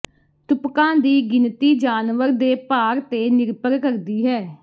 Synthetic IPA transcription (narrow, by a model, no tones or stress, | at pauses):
t̪ʊpkãːd̪iːɡɪnt̪iːd͡ʒaːnʋəɾd̪eːpaːɾt̪eːnɪɾpəɾkəɾd̪iːɦɛː